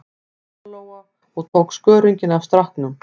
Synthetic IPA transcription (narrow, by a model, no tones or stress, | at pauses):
loːwa | ɔɣt̪ʰowkskœːɾiɲcɪnavst̪ɾahknʏm